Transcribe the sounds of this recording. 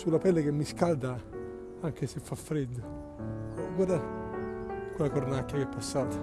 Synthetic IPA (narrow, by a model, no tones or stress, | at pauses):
sulapɛlːekemːiskald̪a | aŋk̟esefːafɾed̪ːo | ɔɡwad̪a | kwelakornakːjakeɛpːasːaːt̪ḁ